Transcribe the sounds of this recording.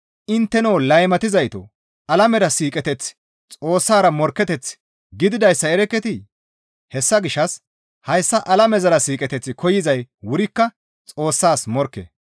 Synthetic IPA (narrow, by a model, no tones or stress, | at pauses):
ʔɪnt̪ːɛnoːlɐjmɐt̪ɪzɐjt̪o̰ | ɐlɐmɛɾɐsiːkʼɛt̪ɛt͡s | t͡sʼo̞ːsːaːɾɐmɔɾkːɛt̪ɛt͡s | ɡɪd̪ɪd̪ɐjsːɐɛɾɛkːɛt̪ɪ | hɛsːɐɡɪʃːɐs | hɐjsːɐʔɐlɐmɛzɐɾɐsiːkʼɛt̪ɛt͡sːɪkʰɔjɪzɐjwʊɾɪkːɐ | t͡sʼo̞ːsːaːsmɔɾkːḛ